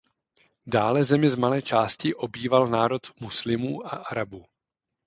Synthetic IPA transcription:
daːlɛzɛmɪzmalɛːt͡ʃaːscɪʔo̞biːvalnaːɾo̞t̪muslɪmuːʔaʔaɾabuː

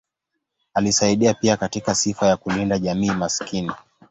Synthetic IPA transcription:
alisaiɗiapiakatikasifajakulindaʄamiːmaskini

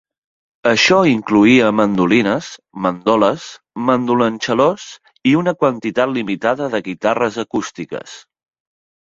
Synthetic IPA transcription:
əʃɔiŋkluiəmənd̪ulinəs | mənd̪ɔləz | mənd̪ulənʲt͡ʃəlos | iunəkwənt̪it̪at̪limit̪aðəðəɣit̪arəzəkust̪ikə̰s

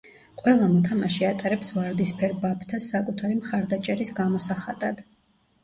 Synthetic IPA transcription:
qʼwɛlˠamɔt̪ʰamaʃiat̪ʼaɾɛpsvaɾd̪ispʰɛɾbapʰt̪ʰasakʼut̪ʰaɾimχaɾd̪at͡ʃʼɛɾisɡamɔsaχad̪ʼad̪̥

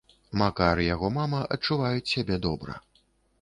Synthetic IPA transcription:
makaɾɨjaɣɔmamɐʔɐ̰t͡ʂːuvajut͡sʲsʲabʲɛd̪ɔbɾɐ̰

